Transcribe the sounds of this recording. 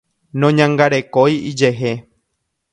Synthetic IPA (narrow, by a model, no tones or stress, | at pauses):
nõɲãŋɡaɾe̞kojid͡ʒeɦe